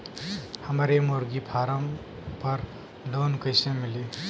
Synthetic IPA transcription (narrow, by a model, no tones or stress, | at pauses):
həmɾemoːɾɡipʰaːɾəm | pəɾ | loːnkəɪsẽmɪli